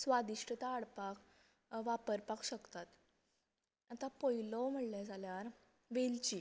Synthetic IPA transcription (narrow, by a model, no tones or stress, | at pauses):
sʋad̪iʂʈət̪aːɽpak | ʋapəɾpakɕəkt̪at̪ | at̪apɔjlɔwm̤əɽljad͡zʱaljaɾ | ʋelt͡ɕi